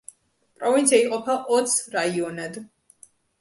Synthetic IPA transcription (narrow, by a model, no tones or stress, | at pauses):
pʼɾɔvint̪sʰijaiqʼɔpʰaʔɔt̪sʰɾaiɔnɛd̪